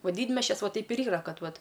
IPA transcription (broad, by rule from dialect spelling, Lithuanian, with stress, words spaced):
oː ˈdʲiːdʲmʲɛsʲt͡ʃʲɛs ˈʋoː ˈtʲɛɪp ɪr ˈiːrɐ ˈkɐt ˈʋɐt